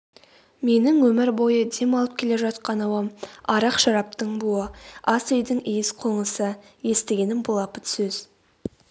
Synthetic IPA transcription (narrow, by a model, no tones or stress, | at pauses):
me̞nɪŋwɵmɪɾbo̞jəd̪e̞mɑlˠəp̚kʲʰe̞le̞ʒɑt̪qɑnɑwɑmɑɾɑqʃɑɾɑpt̪əɴbuəɑsejd̪ɪŋijɪsqʰo̞ɴəsə | je̞st̪e̞ɡʲe̞nɪŋbʊlˠɑpət̪sɵz